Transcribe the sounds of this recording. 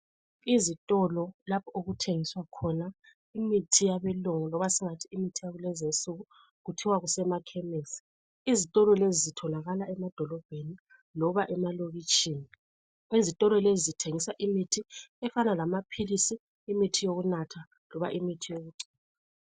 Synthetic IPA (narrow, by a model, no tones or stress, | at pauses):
izitʼɔlɔlapʰɔoɣutʰeŋiswakʰɔna | imitʰijaβɛloŋɔlɔβasiŋatʰiimitʰijaɣulɛzensuɣu | ɣutʰiwaɣusɛmakʰɛmesi̥ | izitʼɔlɔlezizitʰɔnaɣalaʔɛmad̥ʱɔlɔb̥ʱeni | lɔβaʔɛmaloɣit͡ʃʼiːni | izitʼɔlɔlezitʰeŋisaʔimitʰiɛfanalamapʰilisiː | mitʰijoɣunatʰa | lɔβa̰ʔimitʰijoɣuǀi̥ːnaa